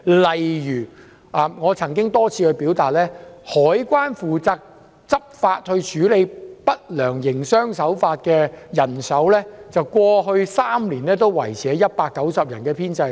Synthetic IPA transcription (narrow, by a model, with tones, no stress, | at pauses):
lɐ˨jjyː˨˩ | ʔaː˨ŋɔː˨˧t͡sʰɐ˨˩ŋk̬ɪ˥ŋt̪ɔː˥t͡sʰiː˧kɵ˧ɥpiː˨˥wt̪aː˨t̚lɛː˥hɔː˨˥jkʷwaː˥nfuː˨t͡saː˧k̚ | t͡sɐ˥p̚faː˧t̚hɵ˧t͡ʃʰyː˨˥le˨˧jpɐ˥t̚lœː˨˩ŋjɪ˨˩ŋsœː˥ŋsɐ˨˥wfaː˧t̚kɛː˧jɐ˨˩nsɐ˨˥wlɛː˥t͡sɐ˨wkʷɔː˧ɦɵ˧ɥsaː˥mliː˨˩nlɛː˥t̪o˥wwɐ˨˩jt͡sʰɛː˨˧˥jɐ˥t̚paː˧kːɐ˨˥wsɐ˨p̚jɐ˨˩nkɛː˧pʰiː˥nt͡sɐ˧j